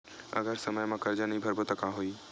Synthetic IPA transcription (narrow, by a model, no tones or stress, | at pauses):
ɐ̰ɡəɾsɐməjmãkɐɾd͡ʒanĩbʱɐɾbot̪əkãɦoiː